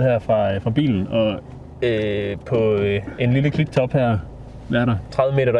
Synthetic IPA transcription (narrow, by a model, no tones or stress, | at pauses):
hæɐ̰fʁɑ̈fʁɑ̈b̥ḭːln̩ɒ̽ | øpʰɒ̽e̝nliləkʰliɡ̥̚t͡sʰɒ̽b̥hæɐ̰ | ʋæɐɾ̥ɑt͡sʰʁɑ̈ðˠəme̝ːdɐd̥